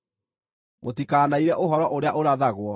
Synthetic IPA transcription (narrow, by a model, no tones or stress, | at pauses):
motikaːnaiɾɛʔoɦɔɾɔʔoɾeaʔoɾaðaɣwɔ